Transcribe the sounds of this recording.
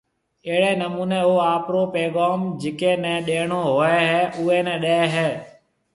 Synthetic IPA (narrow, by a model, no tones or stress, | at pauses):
eːɦɽeːnəmuːneːoːaːpɾoːpeːɠaːmd͡ʒɪkeːnɛ̃ːɗeːɳoːɦoːɛːɦɛːʔʊːeːnɛ̃ːɗəeɛɦɛː